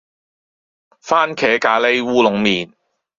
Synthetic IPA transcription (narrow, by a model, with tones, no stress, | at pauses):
faː˥nkʰɛː˨˥kaː˨˥le˥jwuː˥lʊ˨˧ŋmiː˨n